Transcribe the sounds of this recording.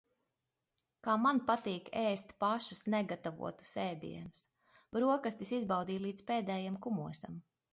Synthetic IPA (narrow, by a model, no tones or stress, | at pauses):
kaːmanpat̪iːkeːst̪paʃasnɛɡat̪avṵɔt̪u̥sɛːd̪ḭɛnus | bɾuɔkast̪isizbawd̪iːlˠiːd̪speːd̪ɛːjamkumuɔsa̰m